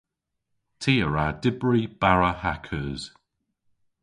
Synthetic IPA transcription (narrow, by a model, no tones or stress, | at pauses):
tʰiːəɹadɪbɹib̥aɹəhakʰəːz̥